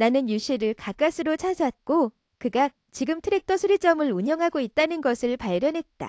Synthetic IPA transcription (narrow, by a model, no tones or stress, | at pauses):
nanɯnjuɕ͈ʰiɾɯɭkak͈asʰɯɾot͡ɕʰasʰat̚k͈o | kɯɡa | t͡ɕiɡɯmtʰɯɾe̞k̚tʰʌsʰoɾit͡ɕ͈ʌmɯɭuɲjʌŋɦaɡoit̚t͈anɯnɡʌsʰɯɭpaɭbjʌnɦe̞t̚t͈a̰